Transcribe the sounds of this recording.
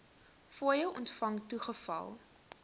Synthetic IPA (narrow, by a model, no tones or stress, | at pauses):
fuəjəlʔɔ̰ntfɐŋtuχəfɐ̰lˠ